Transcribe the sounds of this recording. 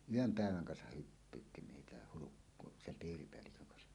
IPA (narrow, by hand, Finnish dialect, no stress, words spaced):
yøm pæˑeʋæŋ kɑnsɑh hypːyːtːi meitæ hulukːo sem piːripeælːikøŋ kɑnsɑ